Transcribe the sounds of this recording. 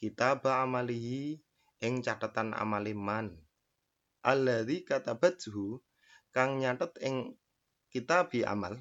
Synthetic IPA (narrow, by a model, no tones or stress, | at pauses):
kit̪abaamaliɦi | ʔɪŋt͡ʃaʈat̪anʔa̰maliman | ʔalːaðikat̪ab̥at̪ɦu | kaŋɲaʈət̪ɪŋ | kit̪ab̥ia̰mal